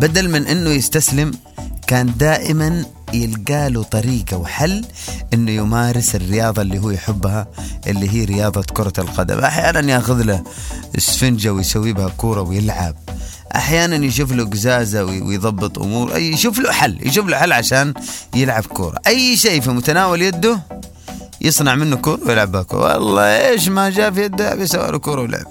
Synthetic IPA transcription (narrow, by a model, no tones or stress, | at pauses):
bad̪almɪnʔɪnːʊjɪst̪aslɪm | kaːnd̪aːʔɪman | jɪlɡaːlut̪ˤɑɾiːɡawħalːʔɪnːʊjɪmaːɾɪsɪrːɪjɑːðˤɑlːiːɦuːjħʊbːhaʔɪlːiɦiːɾɪjɑːðˤɑkʊɾˤɑlqɑd̪a̰mʔa̰ħjaːnanjaːxʊðlaɪ̰sfɪnd͡ʒawɪjsawːiːbɪhakuːɾˤɑwɪjɪlʕa̰b̚ | ʔa̰ħjaːnanjʃ̬uːfluɡʊzaːzawwɪ̰jðˤɑbːɨt̪ˤʔʊ̰muːɾˤʔa̰jʃuːfluħalːj̰ʃuːfluħalːʕaʃaːnjɪlʕabkṵːɾˤɑ̰ʔajːʃeːfimʊt̪anaːwaljad̪ːʊ | jɨsˤnɑʕmɪnːʊkuːɾˤɑwjɪlʕabakṵːɾ̰wɑ̰lˤːɑ̰ːʔeːʃ̬mad͡ʒaːfijad̪ːabisawːa̰lukuːɾˤɑwɪlʔʕa̰b